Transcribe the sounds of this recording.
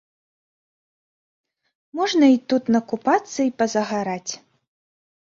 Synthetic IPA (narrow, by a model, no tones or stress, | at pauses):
mɔʐnɐit̪ut̪nɐkupat̪sːɐipɐzɐɣaɾat͡sʲ